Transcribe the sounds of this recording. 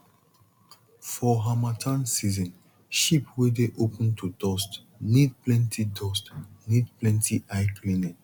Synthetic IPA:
fɔɦamatʰãnsizɔ̃n | ʃipwedeʔopʰə̃ntʰudɔst | nid̚plɛ̃ntʰidɔstnidplɛ̃ntʰiʔaɪklinɛ̃n

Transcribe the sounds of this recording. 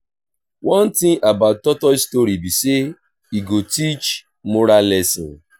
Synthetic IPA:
wɔ̃n̩tĩŋʔabatːɔtɔistoɾibise | iɡotit͡ʃ | mʊɾalɛsĩ

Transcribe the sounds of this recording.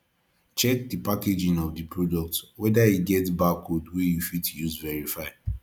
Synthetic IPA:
t͡ʃɛk̚dipaked͡ʒĩŋɔvdɨpɹodɔk̚twɛdajiɡɛtbakodwejufitjuzvɛɹifaɪ

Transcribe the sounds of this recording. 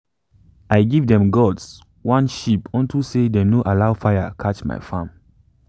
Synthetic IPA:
aɪɡivdɛ̃mɡɔds | wãnʃipɔ̃ntʰusedenoʔalaʊfajakʰat͡ʃma̰ɪfãm

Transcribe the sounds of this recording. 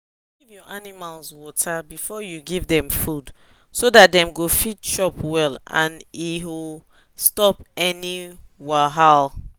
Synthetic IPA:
ɡivjɔʔanimalswɔtʰabifɔjuɡivdɛ̃mfud | sodat̚dɛ̃mɡofitʃɔpwɛlã̰niu | stɔpɛniwaɦal

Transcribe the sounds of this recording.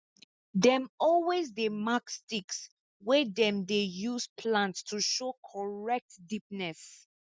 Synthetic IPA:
dɛ̃mɔlwezdemakstiks | wɛdɛ̃mdejuspʰlãntstʰuʃokʰɔɹɛk̚tdip̚nɛs

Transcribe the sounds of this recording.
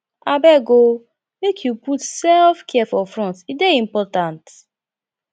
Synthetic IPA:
abɛɡo | mekʰjuputsɛlfkʰɛfɔfɹɔ̃ntideĩmpɔtãnt

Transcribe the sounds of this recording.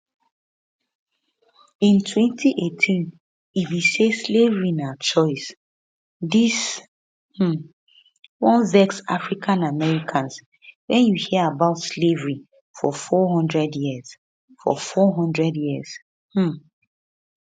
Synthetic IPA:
ĩntʰwɛ̃ntʰiʔetʰĩn | ibiseslevɹinat͡ʃɔɪs | dis | h̩ | wɔ̃nvɛksafɹikʰãnamɛɹikʰãns | wɛ̃njuhiəabaʊtslevɹi | fɔ̰fɔɦɔ̃ndɹɛdjiəz̥ | fɔ̰fɔɦɔ̃ndɹɛdjiəz̥ | h̩

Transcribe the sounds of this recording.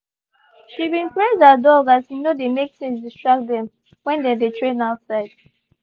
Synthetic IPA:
ʃibĩnpɹedadɔɡathinodemek̚tɛ̃nsdistɹak̚t̚dɛ̃m | wɛ̃ndɛdetʰɹẽnaʊtsaɪd̥̚

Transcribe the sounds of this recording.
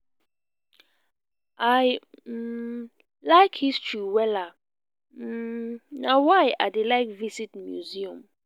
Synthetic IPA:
ʔaj̩ | laɪkhistʰɹiwɛla | nawajadelaɪkvisitmjṵziɔ̃m

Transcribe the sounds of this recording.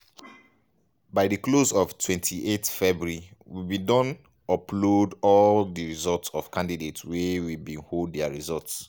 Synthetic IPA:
baɪdəklozɔvtʰwɛ̃ntʰiʔetfɛbuɹiwibidɔ̃n | ɔplodɔldəɹizɔltsɔv̥kʰãndidetswewibĩnholddɛəɹizɔlts

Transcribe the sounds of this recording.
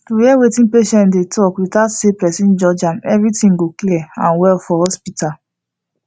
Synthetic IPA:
tujɛwetĩnpeʃɛ̃ndetʰɔkwitasepɾɛsĩnd͡ʒɔd͡ʒãnɛvɾitĩŋɡokliɛã̰nwɛlfɔhɔspita

